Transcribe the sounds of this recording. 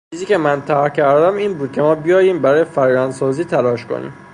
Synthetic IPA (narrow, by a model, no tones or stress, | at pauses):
t͡ʃiːziːcemænt̪ʰæɾcʰæɾd̪æmiːnbuːd̪̚kʰʲe̞mɒːbijɒːjiːmbæɾɒːjefæɾjænd̪sɒːziːt̪ʰælɒːʃkʰo̰nḭːm